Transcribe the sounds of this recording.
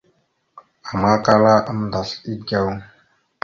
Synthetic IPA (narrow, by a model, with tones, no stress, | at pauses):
a˨ma˦ka˦la˦ʔa˦m˦da˨ɬi˦d͡ʒa˦˨w